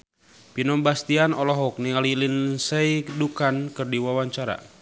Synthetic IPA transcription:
pinɔmbast̪ianɔlɔɦɔk̚niŋalilinsɛidukankɨrdiwawaɲt͡ʃaɾa̰

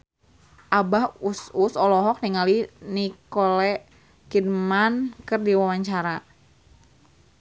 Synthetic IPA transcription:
ʔabahususɔlɔɦɔk̚niŋalinikɔlɛ | kidmankɨrdiwawaɲt͡ʃaɾa

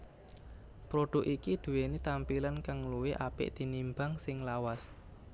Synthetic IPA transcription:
pɾoɖ̥ʊ̤kikid̪̥ṳwenit̪ampilankaŋluwɪʔapɪ̰ʔd̪̥i̤nimbaŋsɪŋlawas

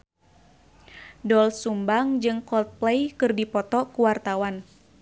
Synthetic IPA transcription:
dɔlsumbaŋd͡ʒɨŋkɔlt̪̚plejkɨrdipɔt̪ɔkuwart̪awan

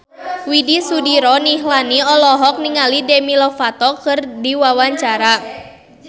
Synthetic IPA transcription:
widisudiɾɔniɦlaniɔlɔɦɔk̚niŋalidemilɔfat̪ɔkɨrdiwawaɲt͡ʃaɾa

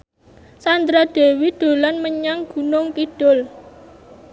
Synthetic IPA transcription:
sand̪ɾad̪̥e̤wid̪̥o̤lanməɲaŋɡ̥ṳnʊŋkid̥ʊl

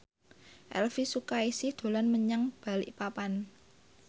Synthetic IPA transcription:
ʔɛ̰lfisukaisɪhd̪̥o̤lanməɲəŋb̥a̤lɪ̰ʔpapan

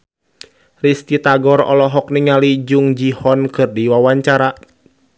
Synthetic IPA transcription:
rist̪it̪aɡɔɾɔ̰lɔɦɔk̚niŋalid͡ʒuŋd͡ʒihɔnkɨrdiwawaɲt͡ʃaɾa

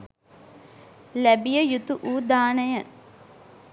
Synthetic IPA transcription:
læbijəjut̪uʔuːd̪aːnəjə

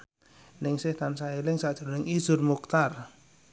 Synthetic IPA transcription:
nɪŋsɪht̪ansaelɪŋsaʔʒ̥ɾonɪŋiz̥ʊrmuk̚t̪ar

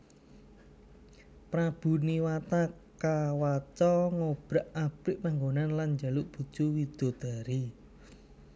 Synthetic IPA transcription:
pɾab̥ṳniwat̪akawat͡ʃɔŋob̥ɾaʔab̥ɪʔmaŋɡonanland͡ʒaluʔb̥ṳ̥t͡ʃuwid̪̥o̤d̪̥a̤ɾi

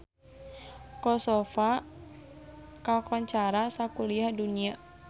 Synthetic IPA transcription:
kɔsɔfa | kakɔɲt͡ʃaɾasakuliahdunia

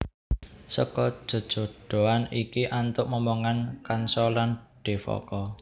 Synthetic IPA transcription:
sɔkɔ̥ʒ̥o̤d̥ʒ̥o̤ɖ̥o̤anikiʔant̪ʊʔməmɔŋankansɔlanɖ̥e̤fɔ̰kɔ

